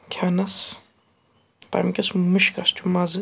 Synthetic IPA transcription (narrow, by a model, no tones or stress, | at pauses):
kʲʰaːnɐs | t̪a̰mkʲɐsmɨʃkɐst͡ʃʰumazɨ